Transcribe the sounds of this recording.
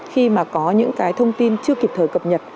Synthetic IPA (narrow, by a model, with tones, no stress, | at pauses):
xi˧maː˨˩kɔ˨˦ɲɨ̰˧˥ŋkaː˨˦jt̪ʰə˧wŋ͡mt̪i˧nt͡ɕɨ˧əki˨˩p̚t̪ʰəː˧˩jkə˨˩p̚ɲə˨˩t̚